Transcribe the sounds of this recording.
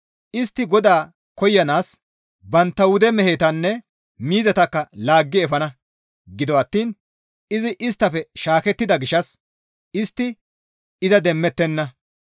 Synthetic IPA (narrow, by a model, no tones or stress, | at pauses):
ʔɪst̪ːɪɡɔd̪aː | kɔjːɐnaːs | bɐnt̪ːɐwʊd̪ɛmɛheːt̪ɐnːɛ | miːzɐt̪ɐkːɐlaːɡːɪɛfɐnɐ | ɡɪd̪ɔɐt̪ːiːn | ɪzɪʔɪst̪ːɐfɛʃaːkɛt̪ːɪd̪ɐɡɪʃɐs | ɪst̪ːɪ | ɪzɐd̪ɛmːɛt̪ːɛnːɐ